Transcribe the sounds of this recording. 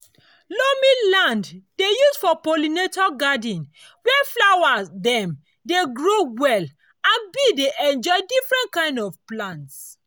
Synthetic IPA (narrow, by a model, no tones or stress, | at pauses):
lomĩlãnddejusfɔpolinetɔɡadĩn | wɛflawadɛ̃m | deɡɹowɛl | ãnbideʔɛ̃nd͡ʒɔɪdifɹɛ̃nt̚kãɪ̃ndɔvplãnts